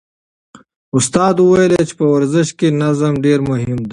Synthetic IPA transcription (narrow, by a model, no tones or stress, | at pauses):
ʊst̪aːd̪uwɐjlet͡ʃe̥pɐwɐɾzɪʃkenɐzəmɖeːɾmʊɦɪmd̪e